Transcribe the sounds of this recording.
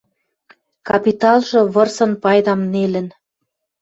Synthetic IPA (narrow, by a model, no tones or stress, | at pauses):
kɑpit̪ɑlˠʒɤ̆βɤ̆rsɤ̆npɑjd̪ɑmnelə̆n